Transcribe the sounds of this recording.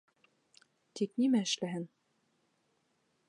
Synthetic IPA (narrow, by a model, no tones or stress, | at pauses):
t̪ik̚nimæɘ̆ʃlæɦɘn